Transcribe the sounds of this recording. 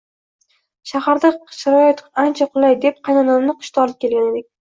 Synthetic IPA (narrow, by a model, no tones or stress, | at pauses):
ʃahaɾd̪aʃɪɾɒjat̪ant͡ʃʰaqʰʊlˠajd̪e̞p̚qʰɑjnɒnamnɪqʰʊ̥ʃt̪ʰaɒlˠɪp̚kʲʰe̞lɡʲane̞d̪ɪk̚ʲ